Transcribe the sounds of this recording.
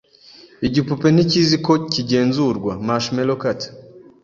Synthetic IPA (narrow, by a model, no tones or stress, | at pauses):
iɟipupe̞niciziko̞ciɟe̞ːnzuɾɡwamaʃmelokat